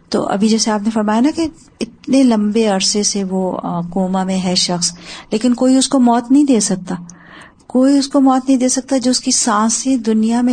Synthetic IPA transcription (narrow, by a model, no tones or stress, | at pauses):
t̪o̰ːʔɐ̰bʱid͡ʒɛːseaːpnefɐɾmaːjanake | ɪt̪̚nelɐ̃mbeɐɾseseʋokoːmamẽɦɛʃɐxsleːkɪnkoːiʊskomɔːt̪nɐɦĩd̪eːsɐk̚t̪aː | koːiʊskomɔːt̪nɐɦĩd̪eːsɐk̚t̪ad͡ʒoːʊskisãːsẽd̪ʊnijamẽ